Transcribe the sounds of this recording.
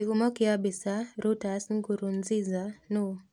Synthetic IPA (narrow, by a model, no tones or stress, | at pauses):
iumɔkiabisaɾutasŋ̩ɡuɾunzizanu